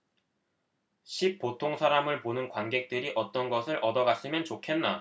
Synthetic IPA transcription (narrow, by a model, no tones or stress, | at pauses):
ɕʰip̚p͈ːotʰoŋsʰaɾamɯɭponɯnkwanɡe̞k̚t͈ɯɾiʔʌt͈ʌnɡʌsʰɯɾʔʌdʌɡas͈ɯmjʌnt͡ɕokʰe̞nːa